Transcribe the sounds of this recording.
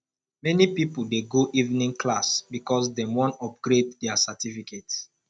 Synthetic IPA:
mɛnipipudeɡoʔivnĩŋkʰlasbikɔsdɛ̃mwɔ̃nɔp̚ɡɾeddɛasatifikets

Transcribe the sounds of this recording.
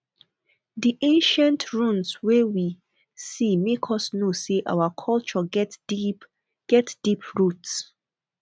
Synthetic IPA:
diʔẽnʃãntʰɹũnswewi | simekʰɔsnoseʔa̰wakʰɔlt͡ʃɔ | ɡ̥ɛtd̥ipʰɹuts

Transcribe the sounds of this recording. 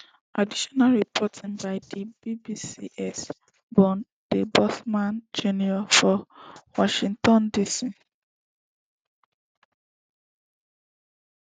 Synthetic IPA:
ʔadiʃɔnalɹipʰɔtʰĩnbaɪdibibisiʔɛs | bɔ̃n | d̥ebɔθmãnd͡ʒuniɔfɔwɔʃĩŋtɔ̃ndisi

